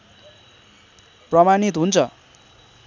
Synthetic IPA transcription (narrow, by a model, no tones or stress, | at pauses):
prʌmanit̪ɦunt͡sʰʌ